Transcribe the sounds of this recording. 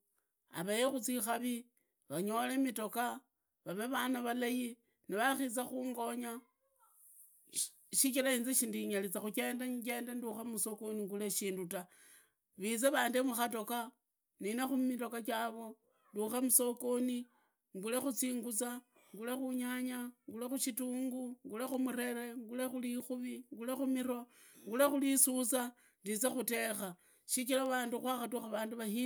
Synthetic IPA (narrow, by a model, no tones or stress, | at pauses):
a̰βajexut͡sixaβi | βaɲo̞lemito̞ka | βaβeβanaβalaji | niβaxit͡saxuːŋɡo̞ɲa | ʃikilainzeʃindiɲalit͡saxuke̞ːndaɲke̞ːndenduxemuso̞koniŋɡule̞ʃiːnduta | βit͡seβaːndemuxato̞ka | ninexumito̞kakaβo̞ | nduxamuso̞koni | ŋɡule̞xut͡siːŋɡut͡sa | ŋɡule̞xuɲaɲaŋɡulexuʃituːŋɡuŋɡulexumuɾe̞ɾe̞ŋɡulexulixuβiŋɡulexumiɾo̞ | ŋɡulexulisut͡sa | ndit͡sexute̞xa | ʃikilaβaːnduxwaxatuxaβaːnduβahi